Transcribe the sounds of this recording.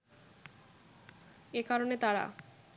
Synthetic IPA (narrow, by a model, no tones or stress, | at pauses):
ekaɾonet̪aɾa̰